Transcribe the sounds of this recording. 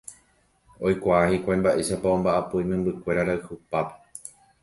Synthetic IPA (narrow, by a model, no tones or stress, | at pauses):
o̞jkʷaahikʷãj̃mbaʔe̞ʃapaõmbaʔapujmẽmbɨkʷe̞ɾaɾaɨhɨpape̥